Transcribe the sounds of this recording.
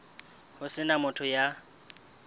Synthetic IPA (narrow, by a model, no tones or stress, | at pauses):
hʊsɪnamʊtʰɔja